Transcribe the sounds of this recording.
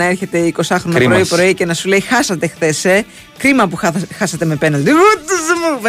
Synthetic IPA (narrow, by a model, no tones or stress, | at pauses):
ɐe̞ɾçe̞t̪e̞iko̞sɐxɾonoɾoipɾo̞ice̞nɐsule̞ixɐsɐt̪e̞xθe̞se̞ | kɾimɐpuxɐsɐt̪e̞me̞penɐld̪iot̪zmu